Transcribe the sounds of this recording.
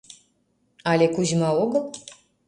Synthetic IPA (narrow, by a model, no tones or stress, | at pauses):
alʲekuʑmɑoɡəlˠ